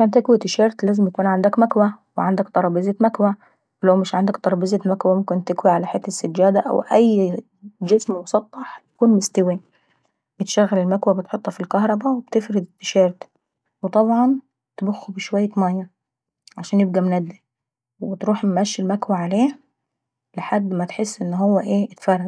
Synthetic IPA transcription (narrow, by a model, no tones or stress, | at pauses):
kæːnt̪ːɪkwit̪ɪʃɑːɾˤt̪læːzɪmj̪akuːnʕand̪ækmækwæweʕand̪ækt̪ˤɑɾˤɑːbeːzet̪mækwæ | wɪlæwmɪʃʕand̪ækt̪ˤɑɾˤɑbizemækwæmʊmkɪnt̪ːɪkwiʕalæħeːt̪ːɪsːad͡ʒːæːd̪æʔæ̰wʔæjː | d͡ʒɪsmmʊsˤɑt̪ˤːɑħj̪ḁkuːnmɪst̪ɪwi | b̥ɪt̪ʃæɣːælɪlmækwæbɪt̪ħot̪ˤːhɑfilkɑhɾˤɑbæwɪb̥t̪ɪfɾɪd̪ɪt̪ːɪ̥ʃɑːɾt̪ | wet̪ˤɑbʕɑn | t̪bʊxːubɪʃwæjːæmæjːɑ | ʕaʃæːnjɪb̚ɡæmnæd̪ːi | wɪbɪt̪ɾuːħmæʃːɪlmækwaʕaleː | lɪħad̪ːmæt̪ħɪsːʔɪnːɦowːæʔeːɪt̪fɑrˤːɑ